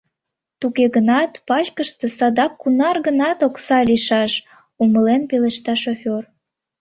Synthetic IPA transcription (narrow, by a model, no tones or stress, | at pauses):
t̪uɣeɣənɑt̪pɑt͡ɕkəʃt̪e̽sɑd̪ɑkːunɑrɣənɑt̪oksɑliʃɑʃ | uməlenpeleʃt̪ɑʃofʲor